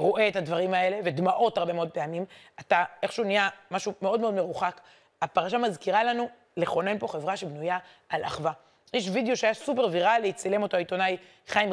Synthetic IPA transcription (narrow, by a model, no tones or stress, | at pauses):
ʁo̞ʔeːthad̪vaʁimae̞le̞ved̪maʔo̞thaʁbe̞meod̪peamim | ataeχʃuunijamaʃume̞o̞d̪meo̞dme̞ʁuχak | apaʁaʃamazkiʁalanu | leχo̞ne̞npo̞χevʁaʃebnujaː | lʔa̰χva | jeʃvid̪eo̞ʃeajasupe̞ʁviʁalːeit͡sale̞mo̞toait̪o̞naj | χajim